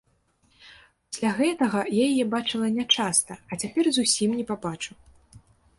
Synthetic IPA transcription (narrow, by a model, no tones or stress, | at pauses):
pḁsʲlʲaɣɛt̪ɐɣɐjajajɛbat͡ʂɨlˠɐnʲat͡ʂast̪ɐɐt͡sʲapʲɛrzusʲimnʲɛpabat͡ʂu